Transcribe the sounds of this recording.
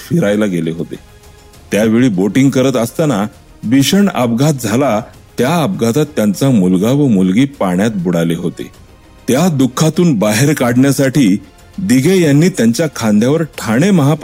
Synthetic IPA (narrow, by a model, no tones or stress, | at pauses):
fiɾajlaɡeleɦot̪ḛ | t̪jaʋeɭiːboʈiŋɡkəɾət̪əst̪ana | biɕəɳə̰pɡat̪̚d͡zʱala | t̪jaəp̚ɡʱat̪at̪ːjant͡samulɡaʋəmulɡiːpaɳjat̪̚buɽaleɦot̪ḛ | t̪jad̪ukʰːat̪uːnbaɦeɾkaɽɳjasaʈiː | d̪iɡʱejanːiːt̪jaɲt͡ɕjakʰãnd̪ʱjaʋəɾʈʰaɽ̃eməɦap